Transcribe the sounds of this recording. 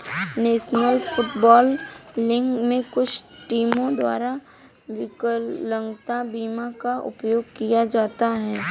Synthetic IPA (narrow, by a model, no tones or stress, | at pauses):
neːʃnəlfʰʊʈbɔːlːɪ̃ŋɡmẽkʊt͡ʃʰʈiːmõd̪wa̰ːɾa | ʋɪkəːə̃ŋɡt̪abiːmakaʔʊ̰pjoːɡkijad͡ʒaːt̪aɦɛː